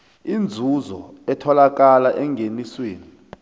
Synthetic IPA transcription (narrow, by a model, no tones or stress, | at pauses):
ind͡zʱuzɔɛtʰɔlak̬alaʔɛŋɡʱenisweːni